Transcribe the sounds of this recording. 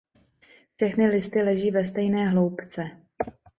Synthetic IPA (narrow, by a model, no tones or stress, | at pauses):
fʃɛxnɪlɪst̪ɪlɛʒiːvɛst̪ɛjnɛːɦlowpt͡sɛ